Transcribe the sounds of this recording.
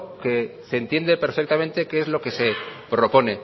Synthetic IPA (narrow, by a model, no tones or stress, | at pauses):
ke̞se̞nt̪je̞nd̪e̞pe̞ɾfek̚t̪amẽ̞nt̪e̞keezlo̞ke̞se̞pɾo̞po̞ne̞